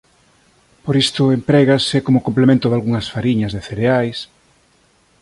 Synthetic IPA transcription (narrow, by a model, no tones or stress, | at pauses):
poɾist̪ʊempɾɛɣasekomokomplemẽnt̪ʊðalɣuŋɐsfaɾiɲɐzðeθeɾeajs